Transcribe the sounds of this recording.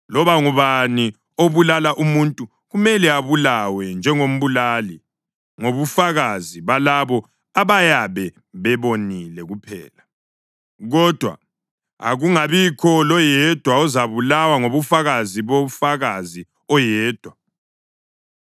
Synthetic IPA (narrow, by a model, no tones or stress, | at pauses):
lɔβaŋuβani | oβulalaʔumuntʼu | ɣumɛlɛaβulawɛnd͡ʒʱɛŋom̩βulaːli | ŋoβufaɣaziβalaβɔ | aβajaβɛ | βɛβonilɛɣupʰɛ̰ːla | ɣɔd̥ʱwa̰ | a̰ɣuŋaβikʰɔlɔjɛd̥ʱwaɔzaβulawaŋoβufaɣaziβofaɣazi | ɔjɛːd̥ʱwa